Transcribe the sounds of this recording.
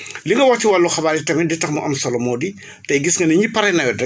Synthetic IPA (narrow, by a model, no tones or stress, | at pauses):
liŋɡɐwɐxtːiwɐlːuxɐbaːitɐmɛditɐxmɐ̰ʔɐmsɐlɔmɔːdi | tɐjɡisŋɡɐnɐɲipɐɾɛnɐjɔdɛ